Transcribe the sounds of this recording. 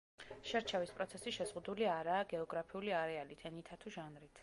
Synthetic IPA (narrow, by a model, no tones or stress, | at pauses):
ʃɛɾt͡ʃʰɛvispʼɾɔt̪sʰɛsiʃɛzʁud̪uliaɾaːɡɛɔɡɾapʰiuliaɾɛalit̪ʰɛnit̪ʰat̪ʰuʒanɾit̪ʰ